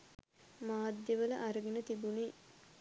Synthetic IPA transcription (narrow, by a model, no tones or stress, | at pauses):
maːd̪jəʋələ̰ʔaɾəɡenət̪ibune